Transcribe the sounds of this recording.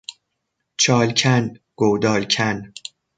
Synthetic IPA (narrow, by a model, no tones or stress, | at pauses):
t͡ʃʰɒːlcʲʰæn | ɡ̥owd̪ɒːlcʰæn